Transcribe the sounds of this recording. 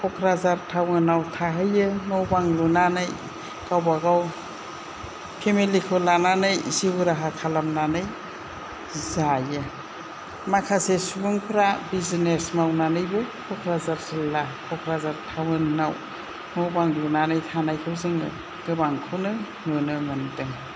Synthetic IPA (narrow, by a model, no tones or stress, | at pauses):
kʰɔkʰɾazaɾtʰawŋɯnawtʰaɦɯjɯnɔwbaŋlunanɯj | kawbaɡaw | pʰemilikʰɯwlananɯjsibuɾaɦakʰalamnanɯj | zajɯ | makʰasesubuŋpʰɾabizinesmawnanɯjbɯkʰɔkʰɾazaɾzilːakʰɔkʰɾazaɾtʰawŋɯnnaw | nɔwbaŋlunanɯjtʰanajkʰɯwzɯŋɯ | ɡ̥ɯbaŋkʰɯwnɯ | nɯnɯmɯndɯŋ